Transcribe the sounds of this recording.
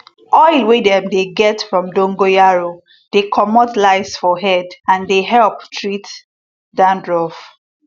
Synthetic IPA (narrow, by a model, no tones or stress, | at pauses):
ɔɪlwedɛ̃mdeɡɛtfɹɔ̃mdõŋɡojaɹo | d̥ekʰɔmɔtlaɪsfɔɦɛdãndeɦɛlptʰɹit | dãndɹɔf